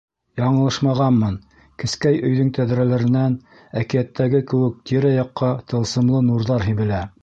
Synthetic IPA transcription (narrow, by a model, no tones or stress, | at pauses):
jɑɴɤ̆lˠɤʃmɑʁɑnmɤn | kɘ̆skæjɵ̆jðɵŋt̪æðɾælæɾɘ̆næn | ækijæt̪ːæɡɘkɘ̆wɘ̆k̚t̪ʲiɾæjɑqːɑt̪ɤ̆lˠsɤ̆mlˠɤnuɾðɑɾɦibɘ̆læ